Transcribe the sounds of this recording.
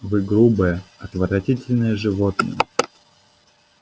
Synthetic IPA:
vɨɡɾubəjəɐt̪vəɾɐtʲitʲɪlʲnəjəʐɨvot̪̚nə̰jə

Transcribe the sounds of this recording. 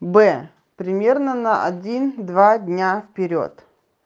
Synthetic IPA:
bɛ | pɾʲɪmʲe̞rnənɐʔɐ̰dʲind̪vadʲnʲafpʲɪɾʲo̞̰t̪

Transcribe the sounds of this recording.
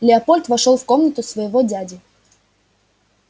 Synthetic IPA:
lʲɪɐpolʲt̪vɐʂolˠfkomnət̪ʊsvɐjɪvodʲædʲɪ

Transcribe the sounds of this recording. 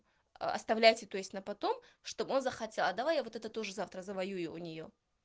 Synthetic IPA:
ɐ̰st̪ɐvlʲæjtʲɪt̪o̞jɪsʲtʲnəpɐt̪o̞mʂt̪o̞bo̞nzəxɐtʲelˠad̪ɐvajavo̞t̪ɛt̪ət̪o̞ʐɨzaft̪ɾəzəvɐjujʊːnʲɪjo

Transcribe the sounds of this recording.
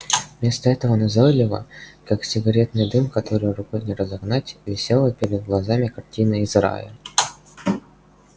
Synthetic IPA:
mʲe̞st̪əɛt̪əvənɐzolʲɪvə̰kaksʲɪɡɐɾʲe̞t̪nɨjd̪ɨmkɐt̪oɾɨjɾʊkonʲɪɾəzɐɡnatʲvʲɪsʲelˠəpʲɪɾʲɪd̪̚ɡlˠɐzamʲɪkɐrtʲinɨɪzra̰jə̰

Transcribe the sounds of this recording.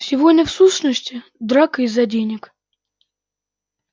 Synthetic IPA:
sʲɪvodʲnʲəfsuɕnəsʲtʲɪ | d̪ɾakɨɪzɐdʲenʲɪk

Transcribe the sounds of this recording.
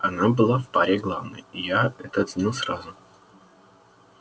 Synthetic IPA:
ɐnabɨlˠafpaɾʲeɡlˠavnə̰jɪjaɛt̪ət̪zʲnʲilˠsrazʊ

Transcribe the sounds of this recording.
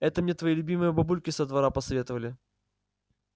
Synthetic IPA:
ɛt̪əmnʲet̪vɐjelʲʉbʲimɨjəbɐbulʲkʲɪsəd̪vɐɾapəsɐvʲet̪əvəlʲɪ

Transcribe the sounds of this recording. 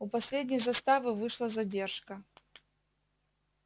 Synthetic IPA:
upɐsʲlʲedʲnʲɪjzɐst̪avɨvɨʂlˠəzɐdʲe̞rʂkə

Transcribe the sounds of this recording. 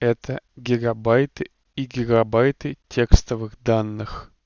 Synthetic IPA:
ɛt̪əɡʲɪɡɐbajt̪ɨ | iɡʲɪɡɐbajt̪ɨtʲe̞kst̪əvɨɣd̪anːɨx

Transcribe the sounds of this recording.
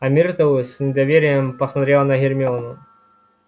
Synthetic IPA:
ɐmʲirt̪əlˠɨsʲnʲɪd̪ɐvʲeɾʲɪjəmpɐsmɐt̪ɾʲelˠnɐɦʲɪrʲmʲɪɔnʊ

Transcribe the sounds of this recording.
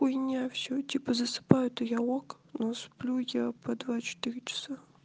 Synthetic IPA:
ujnʲafsʲotʲipəzəsɨ̥pajʊt̪ɨjaok | nosplʲujapɐd̪vat͡ɕɪ̥t̪ɨɾʲɪt͡ɕɪ̥sa

